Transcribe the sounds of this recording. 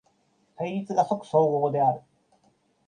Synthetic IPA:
haiɾʲit͡sɨɡaso̞kɯ̟̥so̞ːɡoːd̪e̞aɾɯ̟

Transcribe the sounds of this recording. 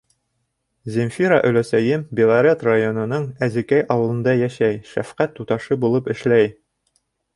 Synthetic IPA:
zʲɪmfʲiɾa̰ʔɵ̆læsæjɘmbʲɪlˠɐɾʲet̪rajo̞nɤ̆nɤɴæzĭkæjʔɒwɤ̆lˠɤ̆nd̪ɑjæʃæjʃæfqæt̪ːut̪ɑʃɤbulˠɤpɘ̆ʃlæj

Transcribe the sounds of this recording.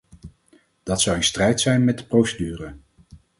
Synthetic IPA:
d̥ɑtsɑwɪnstrɛjtsɛjnmɛt̚dəprowsədyːrə

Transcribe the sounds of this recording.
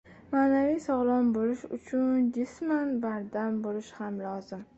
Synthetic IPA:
maːnavijsɒʁlˠɒnbolɪʃʊt͡ʃʰʊnd͡ʒɪsmanbaɾd̪ambolɪʃhamlɒzɪm

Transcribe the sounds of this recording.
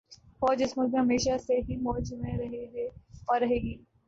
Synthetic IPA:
fɔːd͡ʒɪsmʊlkɦɐmeːʃaseɦimɔːd͡ʒmẽɾɐɦeɔɾɐɦeːɡiː

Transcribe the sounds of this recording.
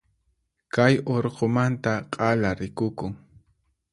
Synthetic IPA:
kajoɾqomant̪aqʼɑlaɾɪkʊkʊŋ

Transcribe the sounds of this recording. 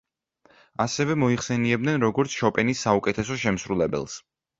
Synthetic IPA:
asɛvɛmɔiχsɛniɛbd̪nɛnɾɔɡɔɾt̪sʰʃɔpʼɛnisːaukʼɛt̪ʰɛsɔʃɛmsɾulɛbɛ̰lˠs

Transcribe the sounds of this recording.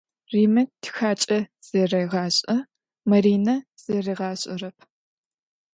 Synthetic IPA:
riːmɐtʰxaːt͡ʃʼɐz̥ɐrɐjʁɑːɕʼɐ | mɐɾiːnɐz̥ɐrɐʁɑːɕʼɪ̰rɐpʰ

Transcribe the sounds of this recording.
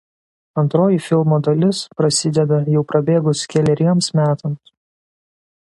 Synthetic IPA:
ɐnt̪ɾoːjifʲɪlˠmoːd̪ɐlʲɪspɾɐsʲɪd̪ʲɛd̪ɐjɛʊpɾɐbʲeːɡʊskʲɛlʲɛɾʲiɛmsmʲæːt̪ɐms

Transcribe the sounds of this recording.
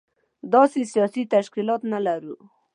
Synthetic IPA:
d̪ɑsesijɑsit̪aʃkilɑt̪nalaɾu

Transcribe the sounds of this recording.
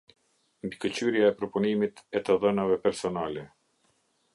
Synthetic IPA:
mbikət͡ɕyɾjaɛpɾɔpunimit̪ɛt̪əðənavɛpɛɾsɔnalɛ

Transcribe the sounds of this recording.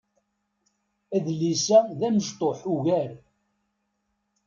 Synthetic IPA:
æðlisæðæməʃt̪ˤoħuʝæɾ

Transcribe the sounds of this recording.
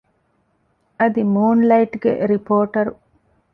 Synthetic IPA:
ɐd̪imuːnlɐiʈɡḛɾipoːʈɐɾu

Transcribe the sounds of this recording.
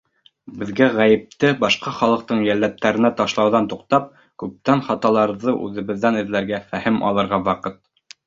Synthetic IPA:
bɘ̆ðɡæʁæjɘ̆p̚t̪ɘbɑʃqɑχɑlˠɤ̆q̚t̪ɤɴjælːæp̚t̪æɾɘ̆næt̪ɑʃlˠɑwðɑnt̪uqt̪ɑp̚ | kʉp̚t̪ænχɑt̪ɑlˠɑɾðɤʔʉ̰ðɘ̆βɘ̆ðːænɘ̆ðlæɾɡæfæhɘmʔɑ̰lˠɤ̆ɾʁɑwɑqɤt̪̚

